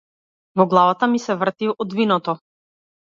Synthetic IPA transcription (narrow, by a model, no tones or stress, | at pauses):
vɔɡlˠavat̪amisɛvr̩t̪iʔɔd̪vinɔt̪ɔ